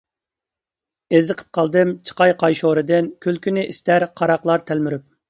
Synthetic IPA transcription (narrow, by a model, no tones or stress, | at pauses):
ezɨqʰə̥p̚qʰɑlˠd̪ɨmt͡ʃʰə̥qɑjqʰɑjʃoɾɨd̪ɨnkʲʰølkʲynɪʔist̪æɾqʰɑɾɑqlˠɑɾt̪ʰælmyɾyp̚